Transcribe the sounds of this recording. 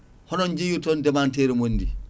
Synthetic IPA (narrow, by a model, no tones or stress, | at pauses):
hɔnɔɲd͡ʒijutɔndɛmanteɾmondḭ